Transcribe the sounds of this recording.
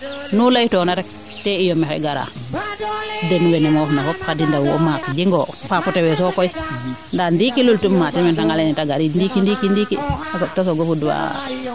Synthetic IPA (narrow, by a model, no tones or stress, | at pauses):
nulajtɔnatak | tɛijɔmɛxɛ̰ɡaɾa̰ | dɛnwɛnɛmɔfnafɔpkadindawɔ̰makɡiŋɡɔfaputɛwɛs̬ɔkɔjndandikilultumːatimɛntaŋɡalenitaɡaɾindikindikindikistas̬ɔɡofuduwa̰